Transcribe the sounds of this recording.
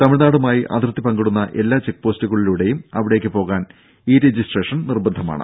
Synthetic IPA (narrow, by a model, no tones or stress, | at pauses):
t̪ɐmiɻnaːɽumaːjiʔɐ̰d̪ʱrɨt̪ːipɐŋɡiɽunːɐʔe̞lːaːt͡ɕe̞k̚ːpo̞ːstːuɣɐɭiluɽe̞jumɐʋiɽe̞ːk̬ʲːɨpo̞ːɣaːn | iːɾed͡ʑisʈreːʂɐnnirbɐnd̪ʱɐma̰ːɳɨ̰